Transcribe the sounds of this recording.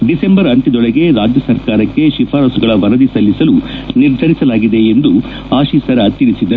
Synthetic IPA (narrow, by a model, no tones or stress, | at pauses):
ɖise̞mbɐɾɐɳʈid̪ɔɭeɡe̞ɾaːd͡ʒjɐsɐɾkaːɾɐkːe̞ʃipʰaːɾɐsuɡɐɭɐʋɐnɐd̪isɐlːisɐluniɾd̪ʱɐɾisɐlaːɡid̪e̞ːnd̪u | aːʃiːsɐɾɐt̪ːiɾisid̪ɐ